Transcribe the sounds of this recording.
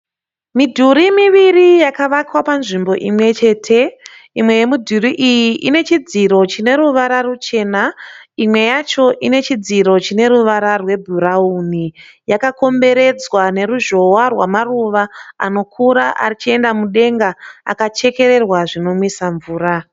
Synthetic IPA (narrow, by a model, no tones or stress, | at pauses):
midʱuɾimiʋirijakaʋakwapanʐimbo̞ʔimwe̞t͡ʃe̞ːtʰe̞ | imwe̞je̞mudʱuriʔijiʔine̞t͡ʃid͡ziɾo̞t͡ʃine̞ɾuʋaɾarut͡ʃe̞ːnaimwe̞jat͡ʃo̞ʔine̞t͡ʃid͡ziɾo̞t͡ʃine̞ɾuʋaɾarwe̞bʱurauni | jakako̞mbe̞ɾe̞d͡zwane̞ɾuʒo̞warwamaruʋaa̰no̞kʰuɾaʔa̰rit͡ʃie̞ndamuɗe̞ŋɡaa̰kat͡ʃe̞ke̞ɾe̞rwaʐino̞mwisaɱvuːra